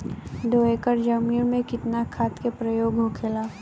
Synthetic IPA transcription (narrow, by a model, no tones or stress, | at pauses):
ɖ̪oekəɾd͡ʒɐmiːɾmẽkɪt̪nakʰaːt̪kepɾəjoːɡɦokʰelaː